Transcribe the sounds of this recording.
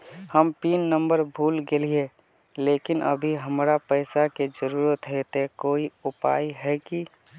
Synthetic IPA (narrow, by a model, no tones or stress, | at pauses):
həmpiːnːəmbəɾbʱuːlɡelie | leːkɪnʔə̰bʱiɦəmɾapəɪsaked͡ʒəɾuːɾət̪ɦɛt̪ekoːiʊpa̰ːiɦɛki